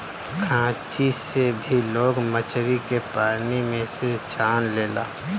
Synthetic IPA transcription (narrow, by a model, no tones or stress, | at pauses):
kʰãːt͡ʃisebʱiloːɡmət͡ʃɾikepaːnimẽset͡ʃaːnleːla̰ː